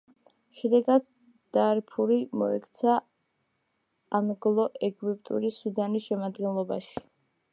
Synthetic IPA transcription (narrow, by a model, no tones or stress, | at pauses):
ʃɛd̪ɛɡad̪ | d̪̥aɾpʰuɾimɔ̰ɛ̰kʰt̪sʰa | anɡlˠɔʔɛɡwip̚ʼt̪ʼṵɾisud̪anisʃɛmad̪ɡɛnlˠɔbaʃi̥